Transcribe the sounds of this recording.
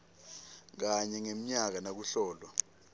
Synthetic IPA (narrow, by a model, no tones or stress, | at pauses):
k̬aɲɛŋem̩ɲak̬anak̬uɬɔːlwa